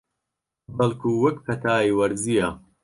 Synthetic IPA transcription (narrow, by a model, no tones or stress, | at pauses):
bɐlˠkʰuːwɐkpʰɐt̪ʰaːiwɐɾzijɐ